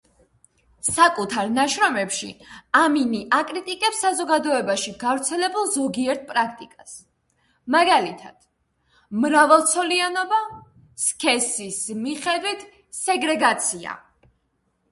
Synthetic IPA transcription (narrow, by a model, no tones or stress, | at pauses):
sakʼut̪ʰaɾnaʃɾɔmɛpʃḭaminiʔakʼɾit̪ʼikʼɛpsːazɔɡad̪ɔɛbaʃiɡavɾt̪sʰɛlɛbulˠzɔɡiɛɾt̪̚ʰpʼɾakʰt̪ʼikʼas | maɡalit̪ʰa̰d̪̥ | mɾavɛlˠt̪sʰɔlianɔba | skʰɛsismiχɛd̪wit̪ʰ | sɛɡɾɛɡat̪sʰia̰